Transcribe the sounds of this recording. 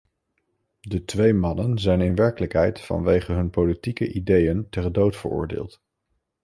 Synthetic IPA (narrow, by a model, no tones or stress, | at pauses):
dətʋejmɑnənzɛjnɪnʋɛɹkələkɦɛjtfɑ̰nʋejχəɦɵnpowlitikəʔidejəntɛrdowtfə̰ɹʊ̰ːɹdɪ̰ːlˠt